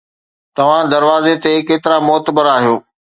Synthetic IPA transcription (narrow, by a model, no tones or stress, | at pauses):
t̪ɐʋ̤ãd̪ɐɾʋaːzet̪ekeːt̪ɪɾamʊɦət̪əbəɾaːɦijoː